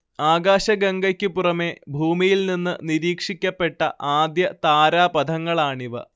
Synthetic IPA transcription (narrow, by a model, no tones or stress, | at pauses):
aːɡaːɕɐɡɐŋɡɐkʲːɨpurɐme̞bʱuːmijilninːɨniɾiːkʂikʲːɐpːe̞ʈːɐʔaːd̪jɐt̪aːɾaːpɐd̪ʱɐŋːɐɭaːɳiʋɨ̰